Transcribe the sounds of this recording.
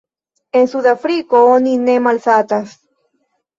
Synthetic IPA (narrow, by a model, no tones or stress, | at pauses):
ensuðafɾikooninemalsat̪as